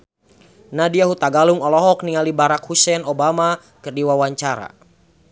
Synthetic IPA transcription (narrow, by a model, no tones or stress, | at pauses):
nadiaɦut̪aɡaluŋɔlɔɦɔk̚niŋalibaɾakhusɛnɔbama | kɨrdiwawaɲt͡ʃaɾa̰